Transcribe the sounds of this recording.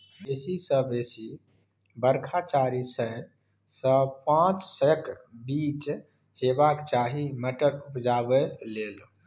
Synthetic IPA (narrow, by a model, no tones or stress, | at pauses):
besisəbesi | bəɾkʰat͡ʃaɾisə | sə̃pãt͡ʃsəəkbit͡ʃ | hebakt͡ʃaɦiməʈəɾupd͡ʒabelel